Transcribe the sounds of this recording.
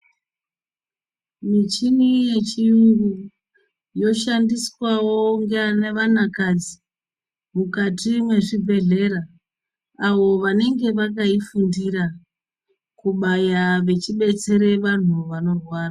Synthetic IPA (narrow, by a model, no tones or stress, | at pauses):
mit͡ʃinije̞t͡ʃiuŋɡu | jo̞ʃandiswawo̞ŋɡneʋanakad͡zi | mukatimwe̞ʐibʱe̞ɮe̞ɾaː | wo̞ʋane̞ŋɡe̞ʋak̬aifundiɾa | kuɓajaʋe̞t͡ʃiɓe̞t͡se̞ɾe̞ʋan̤uʋano̞rwaːra